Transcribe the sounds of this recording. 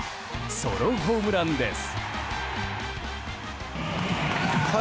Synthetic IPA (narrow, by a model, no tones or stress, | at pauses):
soɾoɦoːmɯɾand̪es | kʰa